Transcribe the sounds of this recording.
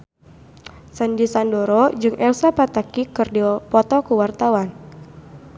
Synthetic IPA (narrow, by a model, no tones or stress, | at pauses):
sandisandɔɾɔd͡ʒɨŋʔɛlsapat̪akikɨrdiɔpɔt̪ɔkuwart̪awan